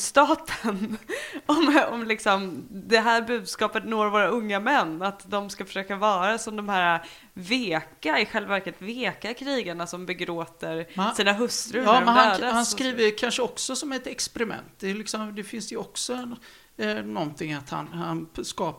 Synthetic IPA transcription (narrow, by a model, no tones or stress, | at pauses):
st̪ɑːt̪ʰənɔmɔmlɪksɔmd̪ɛɦæːɾbʉ̟ːd̪skɑːpət̪noːɾvoːɾaɵŋːamɛnːat̪d̪ɔmskafœ̥ʂøːkavɑːɾasɔmd̪ɔmhæːɾa | veːkaɪɧɛlvavæɾkət̪veːkakʰɾiːɡaɳasɔmbɛɡɾoːt̪əɾsiːnaɦɵst̪ɾɵɾɛnaøːd̪ahanskɾiːvəjkʰanʂəɔksɔsɔmɛt̪ɛkspɛɾɪmɛ̰nt̪̚d̪ɛlɪksɔmd̪ɛfɪnsd̪ɛjɔksɔɛn | nɔnt̪ʰɪŋːat̪ha̰nhanskɑːp